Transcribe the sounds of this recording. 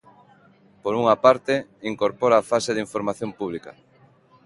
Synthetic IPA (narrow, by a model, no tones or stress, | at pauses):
poɾuŋapaɾt̪eiŋkoɾpoɾaːfaseðiɱfoɾmaθjompuβ̞likɐ̰